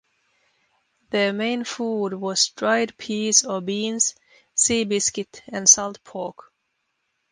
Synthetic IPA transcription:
ðəmẽɪ̃nfudwʌz̥dɹaɪd̚pʰizəbĩnz̥ | siːbɪskɨtɨ̃nsalˠt̪̚pʰɔɹk

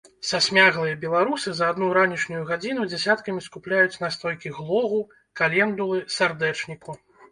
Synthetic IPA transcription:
sasʲmʲaɣlˠɨjɐbʲɛlˠaɾusɨzɐːd̪nuɾanʲiʂnʲujuɣad͡zʲinud͡zʲasʲat̪kɐmʲiskuplʲajut͡sʲnast̪ɾɔjkʲiɣlˠɔɣu | kalʲɛnd̪ulˠɨsard̪ɛt͡ʂnʲiku

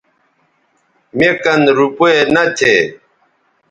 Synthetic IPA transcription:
mekɐnɾupoenɐt͡ɕʰeː

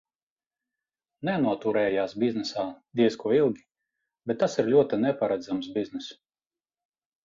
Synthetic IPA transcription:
nɛnuɔt̪uɾɛːjaːsbʲiznɛsaːd̪ʲiɛskuɔilˠɡʲi | b̥ʲɛt̪ːasiɾlʲuɔt̪inɛpaɾad̪zamsbiznɛs

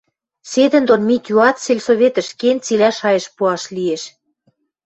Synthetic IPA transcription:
sed̪ə̆nd̪onmit̪ʲjuɑt̪selʲsoβʲet̪ə̆ʃkent͡silʲæʃɑjə̆ʃpuɑʃlieʃ

